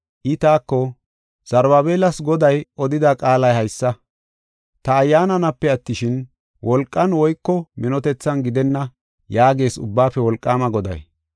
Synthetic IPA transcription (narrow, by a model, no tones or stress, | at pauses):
ʔɪt̪aːkːɔ | z̥ɐɾbɐbeːlɐsɡɔd̪ɐjʔɔd̪ɪd̪aːkʼaːlɐjhɐjsːɐ | t̪ɐːjːaːnɐnɐpːɛɐt̪ːɪʃɪn | wʔɔlkʼːɐnwɔjkːɔmɛnɔt̪ɛt͡sːɐnɡɪd̪ɛnːɐ | jaːɡe̞ːsʊ̰bːaːpːɛwɔlkʼːaːmɐɡɔd̪ɐ̰j